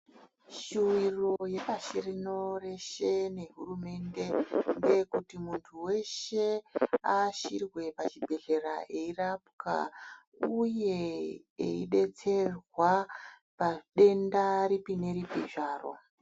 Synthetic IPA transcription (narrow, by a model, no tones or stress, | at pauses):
ʃuwiroje̞paʃirino̞re̞ʃe̞ne̞ɦurume̞nde̞ŋɡe̞kutimuntʰuwe̞ʃe̞aʃirwe̞pat͡ʃibʱe̞ɮe̞ɾae̞irapka̰ | uje̞ | ḛiɗe̞t͡se̞rwa | paɗe̞ndaɾipine̞ɾipiʐaːro̞̰